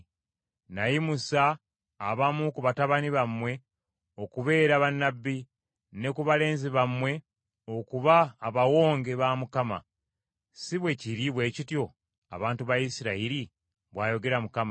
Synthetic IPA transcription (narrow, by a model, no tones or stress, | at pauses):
najimusaː | βamukuβataβaniβamwe̞ | o̞kuβe̞ːɾaβanːabːi | ne̞kuβale̞ːnziβamwe̞ | o̞kuβaːβawo̞ːŋɡe̞βamukama̰ | siβwe̞ciɾiβwe̞ːcitjo̞ | a̰βaːntuβajisiɾaiɾi | βwaːjo̞ɡe̞ɾamukama